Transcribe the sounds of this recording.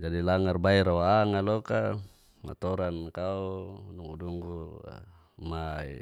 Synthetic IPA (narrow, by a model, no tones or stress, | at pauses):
d͡ʒadilaŋarbaiɾawaaŋaloka | ma̰t̪ɔɾankauduŋuduŋɡṵ | maḭ